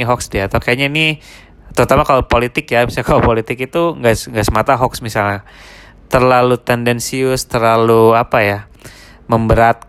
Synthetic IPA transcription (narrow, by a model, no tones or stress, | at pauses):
ɦɔksdiat̪arkajɲaini | t̪əɾut̪amakalopolit̪ɪkjabisakalopolit̪ɪkit̪uŋɡasŋɡaʔsəmat̪aɦɔksmisalɲa | t̪ərlalut̪ɛndɛnsiʊst̪ərlaluapaja | məmbəɾat̪̚